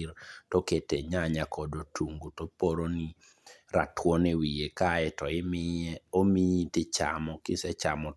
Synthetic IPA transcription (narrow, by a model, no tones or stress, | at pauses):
ɾtoketeɲaɲakʰɔdotuŋɡutopoɾoni | ɾa̰tʰwonewijekaɛtɔɪmomiitɪt͡ʃa̰mɔkɪsɛt͡ʃamɔ